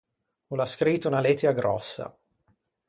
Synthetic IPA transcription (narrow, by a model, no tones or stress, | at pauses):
ulaskɾit̪ːounalet̪ːɛaɡɾɔ̰sːa̰